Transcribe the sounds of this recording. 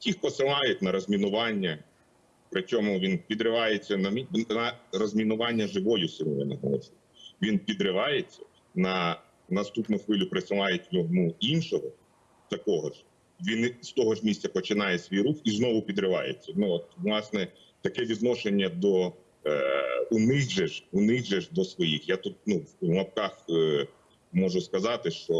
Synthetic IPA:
tʲixpɔsɪlˠɑjʊtʲnɐɾɔzʲmʲinʊʋɑnʲːɐ | pɾɪt͡ʃʲɔmʊʋʲinpʲid̪ɾɪʋɑjet͡sʲːɐnɐmʲinɐrɔzʲmʲinʊʋɑnʲːɐʒɪʋɔjʊsɪnɔjɛnɐɦlˠɔ̰t͡ʃɪ | ʋʲinpʲid̪ɾɪʋɑjet͡sʲːɐ | nɐ | nɐst̪upnʊxʋɪlʲʊpɾɪsɪlˠɑjʊtʲjɔɦmuinʃɔɦɔ | t̪ɐkɔɦɔʒ | ʋʲinst̪ɔɦɔʒmʲisʲt̪ʲt͡sʲɐpɔt͡ʃɪnɑjɛsʲʋʲijɾuxiznɔʋʊpʲid̪ɾɪʋɑ̰jḛt͡sʲːɐnuɔt̪ʋlˠɑsnɛ | t̪ɐkɛʋʲid̪nɔʃenʲːɐd̪ɔ | ʊnɪɣʒɛʒunɪɣʒɛʒd̪ɔsʋɔjixjat̪ut̪̚nuʋmɐp̚kɑx | mɔʒʊskɐzɑt̪ɪʃt͡ʃɔ

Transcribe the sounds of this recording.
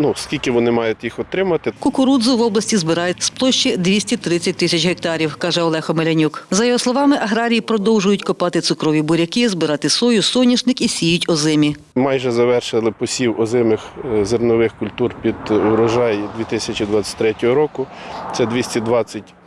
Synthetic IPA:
nuskʲilʲkɪʋɔnɪmɑjʊtʲjixɔt̪ɾɪmɐt̪ɪkʊkʊɾud̪zʊʋɔblˠɐsʲtʲizbɪɾɑjɛtʲsplˠɔʃt͡ʃid̪ʲʋʲisʲtʲit̪ɾɪt͡sʲːɐt̚ʲt̪ɪsʲɐt͡ʃɦek̚t̪ɑɾʲiwkɑʒɛɔlˠɛxɔmelʲɐnʲukzɐjɔɦɔslˠɔʋɑmɪʔɐɦɾɑɾʲijipɾɔd̪ɔwʒʊjʊtʲkɔpɑt̪ɪt̪sʊkɾɔʋʲibʊɾʲɐkɪzbɪɾɑt̪ɪsɔjʊsɔnʲiʃnɪkisʲijʊtʲɔzɪmʲi | mɑjʒɛzɐʋɛrʃɪlˠɪpɔsʲiwɔzɪmɪxzernɔʋɪxkʊlʲt̪urpʲid̪ɔɾɔʒɑjd̪ʲʋʲit̪ɪsʲɐt͡ʃid̪ʋɑt͡sʲɐ̥tʲt̪ɾɛtʲɔɦɔɾɔkʊt̪sɛd̪ʋʲisʲtʲɛd̪ʋɑt͡sʲːɐtʲ

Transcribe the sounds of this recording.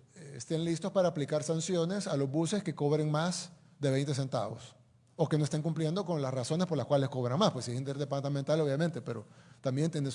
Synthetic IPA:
est̪enlist̪o̞spaɾaːplikaɾsansjo̞ne̞salo̞zβuse̞ske̞ko̞βɾeŋmas | d̪e̞βe̞jnt̪e̞s̬e̞nt̪a̰βo̞̰s | o̞kenoest̪eŋkumplje̞nd̪o̞ko̞nlasraso̞nespoɾlaskwale̞sko̞βɾaŋmaspwe̞sesint̪eɾðepaɾt̪ament̪alo̞βjamẽ̞nt̪e̞pe̞ɾo̞̰t̪ambje̞nt̪jenes

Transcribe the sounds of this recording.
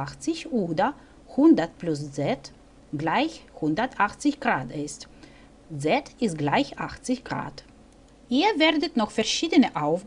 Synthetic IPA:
axt͡sɪçʔoːdɐ | hʊndɐt̚plʊszɛt | ɡ̥laɪçhʊndɐtʔaχt͡sɪçɡ̥ʁaːtɪst | zɛtɪst̚ɡ̥laɪçʔaχt͡sɪçɡ̥ʁa̰ːt | ʔiːɐvɛːɐdətnɔχfɛɐʃiːdənəʔaʊf

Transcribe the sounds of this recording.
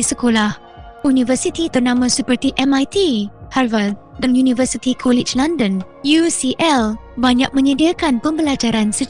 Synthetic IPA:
isəkolah | unĩvərsit̪it̪ərnãmãsəpərt̪iʔɛmajt̪iharvad̪̚ | danjunĩvərsit̪ikʰɔlɪd͡ʒlãndə̃n | jusiʔɛlbaɲak̚mə̃ɲədiakanpəmbəlad͡ʒaɾansə

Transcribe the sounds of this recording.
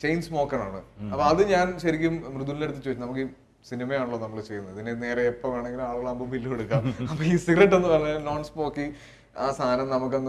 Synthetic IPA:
t͡ɕejnsmo̞ːkːɐɳaːɳɨ̰ɐpːoɐðɨɲaːnɕɐɾikʲːummrɨðulilneɽut̪ːit͡ɕːoːnɐmukːɨ | sinimɐjaːɳuɭːoːnɐmːɐɭt͡ɕe̞junːɐɐðinene̞ːreepːɐmʋeːɳe̞ŋɡiluaːɭuɣɐɭambubʱilːieɽukːaːmɐpːoːiːsiɡɾɐʈ̬ːe̞nːɨpɐrɐnɐno̞ːɳspo̞ːkːi | aːst̪ʰaːnɐmnɐmukːenː

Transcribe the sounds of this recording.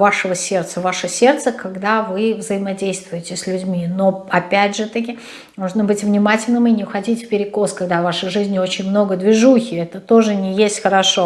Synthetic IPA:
vaʂəvəsʲe̞rt̪səvaʂəsʲe̞rt̪səkɐɡd̪avɨvzəjɪmɐdʲejst̪vʊjɪtʲɪsʲlʲʉdʲmʲino̞ɐpʲædʲʐɨt̪əkʲɪ | moʐnəbɨtʲvnʲɪmatʲɪlʲnɨminʲɪxɐdʲitʲfʲpʲɪɾʲɪko̞skɐɡd̪avaʂɨjʐɨzʲnʲɪo̞t͡ɕɪnʲmno̞ɡəd̪vʲɪʐuxʲɪɛt̪ət̪o̞ʐɨnʲɪjesʲtʲxəɾɐʂo̞

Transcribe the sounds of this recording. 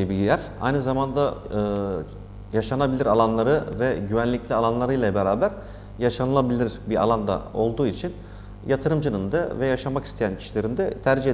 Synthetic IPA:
ebiɟʲilʲæɾa̰jnɯzamand̪aɯː | jaʃanabilʲiɾalˠanlˠaɾɯvɛɟyvænlʲiclʲialˠanlˠaɾɯjlˠabeɾaːbæɾ̥ | jaʃanɯlˠabilʲiɾ̥bia̰lˠand̪a̰o̞lˠd̪uːit͡ʃʰin | jat̪ʰɯɾɯmd͡ʒɯnɯnd̪avɛjaʃamakist̪ʰejæncʰi̥ʃilʲe̞ɾind̪ɛt̪ʰæɾd͡ʒiɦe

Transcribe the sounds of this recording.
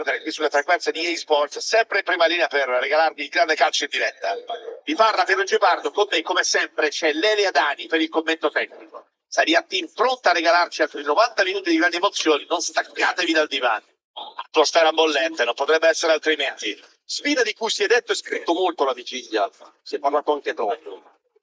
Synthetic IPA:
d̪eɾekwisːulːet̪ɾakwɛɾsed̪iɛsbɔrt̪ssɛmpɾeimpɾimaliːneaperːeɡalarmid̪iɡɾand̪ekalt͡ʃind̪iɾɛt̪ːaviparlaperd͡ʒipard̪okomːekːomesɛmpɾet͡ʃɛlɛlead̪aːnipeɾilkomːent̪ot̪ɛkniko | saɾiat̪ːimpɾont̪arːeɡalart͡ʃialt̪ɾinovant̪aminuːt̪̬id̪iɡɾand̪iemot̪sːjoːninonst̪akːa̰ːt̪evid̪ald̪iva̰n | at̪ːɔst̪aɛɾambolːɛnt̪enompot̪ɾɛbːeɛsːeɾealt̪ɾiment̪i | spiːd̪ad̪ikujsiɛd̪ːet̪ːoɛskɾit̪ːomolt̪olavid͡ʒiʎːja̰siɛpːaɾrlaːt̪oaŋk̟et̪ɾɔpo

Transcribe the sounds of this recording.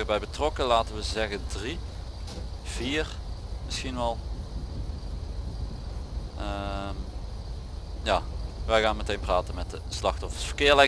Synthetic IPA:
əbɛjbətrɔkəlaːtənʋəzɛɣəndri | v̥iːrmɪsxinʋɛlˠ | əm | jaːʋɛjɣaːnmətejnpraːtənmɛt̚dəslɑxtɔfə̥rsfə̥kɪːlɛ

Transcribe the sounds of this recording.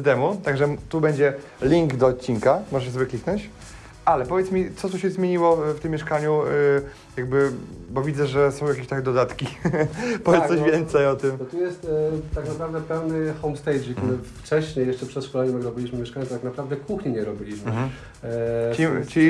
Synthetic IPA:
d̪ɛmut̪aɡʐɛt̪ubɛɲd͡ʑɛ | lʲiŋɡd̪ɔːt̪̚t͡ɕːinkamɔʐɛɕɛsɔvɘklʲiknɔ̃ɲt͡ɕ | ʔalɛpɔvʲjɛt̪smʲit̪sɔt̪uɕɛzmʲjeɲiwɔft̪ɘmʲːjɛʂkaɲu | jaɡ̚bɘbɔvʲid̪zɛʐɛsɔ̃w̃jakʲeɕt̪akʲd̪ɔd̪at̪kʲi | pɔɔɕvʲjɛnt̪sɛjɔt̪ɘmt̪ɔt̪ujɛst̪t̪aknapɾavd̪ɛpɛwnɘxɔwmst̪ɛjd͡ʒik̚t̪uɾɘft͡ʂɛɕɲejɛʂt͡ʂɛpʂɛsfkɔlɛjɲɛmɛɡɾɔbʲilʲiɕmɘmʲjɛʂkaɲɛt̪ɔt̪ak̚napɾavd̪ɛkuxɲiɲɛɾɔbʲilʲiɕmɘ | it͡ɕi

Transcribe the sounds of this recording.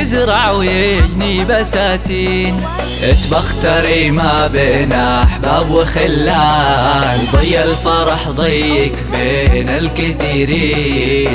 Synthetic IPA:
ɪzɾˤɑʕwjed͡ʒnibasaːt̪iː | n | ʔɪt̪bɑxt̪ɑɾimabeːnaħbaːbwɪxɪlːa | lðˤɨjːalfɑɾˤɑħðˤijːɪkbeːnɪlkɪθiːɾiːn

